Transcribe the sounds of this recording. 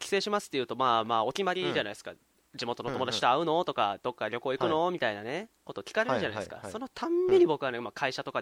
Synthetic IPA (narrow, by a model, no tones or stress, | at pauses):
kʲi̥se̞ːɕimasɨ̥t̪ːejɯ̟ːt̪o̞maːmaːo̞kʲimaɾʲiʑanaisɨ̥ka̰ | d͡ʑimot̪o̞not̪o̞mo̞d̪at͡ɕit̪oaɯ̟no̞t̪o̞kad̪̥o̞kːaɾʲo̞ko̞ːikɯ̟no̞mʲit̪ainane̞ko̞t̪okʲi̥kaɾeɾ̟d͡ʑanaisɨ̥ka̰so̞no̞t̪ʰãmːeɲ̟ibo̞kɯ̟βanemakʰaiɕat̪o̞ka